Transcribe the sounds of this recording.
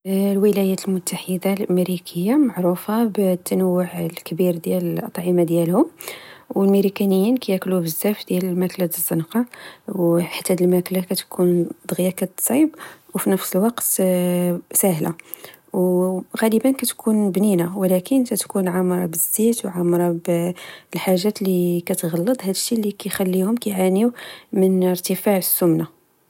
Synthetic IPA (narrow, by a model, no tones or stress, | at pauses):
lwəlæjæt̪lmʊt̪ʰːaħəd̪alʔæmeɾikʰəjːamaʕɾufabt̪ːænəwːʊʕlkbiɾd̪jæləlʔɑt̪ˤʕɑmad̪jælhʊmwəlmiɾikænəjːinkæjæklubəzːæfd̪jæləlmæklad̪əzːənqɑwħḁt̪ːæd̪əlmæklakæt̪kʰund̪ˤəɣjakæt̪sˤɑbwfinəfsəlwɑqt̪ | sæɦla | wɣæləbənkæt̪kʰunbninawlækənt̪æt̪kunʕamɾˤɑbəzːæt̪wʕamɾˤɑblħaʒːæt̪likæt̪ɣɑlːəd̪ˤɦæd̪əʃːilːikæjxælːihʊmkæjʕaniwmənəɾt̪əfaʕəsːʊmna